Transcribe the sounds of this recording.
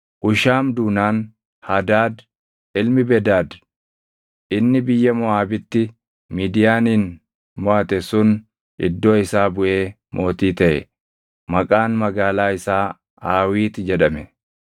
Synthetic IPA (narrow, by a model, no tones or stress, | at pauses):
ʔʊʃaːmd̪uːnaːn | hɐd̪aːd̪ | ɪlmɪbɛd̪aːd̪ | ʔɪnːɪbɪjːɐmɔaːbɪt̪ːɪ | miːd̪ɪjaːniːn | mɔʔɐt̪ɛsʊn | ʔɪ̰d̪ːo̞ːɪsaːbʊʔe̞ː | mʔo̞ːt̪iːt̪ɐʔɛ̰ | mɐkʼaːnmɐɡaːlaːɪsaː | aːwiːt̪ɪd͡ʒɛᶑɐmɛ